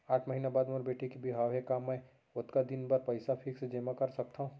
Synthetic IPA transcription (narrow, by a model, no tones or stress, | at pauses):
aːʈʰmɐɦiːnabaːd̪moːɾbeːʈʰekibiɦaːʋɦɛkaːmːɛ̃ | ʊt̪kad̪ɪnbɐɾpɐɪsapʰɪksed͡ʒeːmakɐɾsɐk̚t̪aɦũ